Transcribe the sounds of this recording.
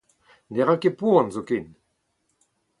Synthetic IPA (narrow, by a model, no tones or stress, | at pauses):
neʁãkepuãnzoken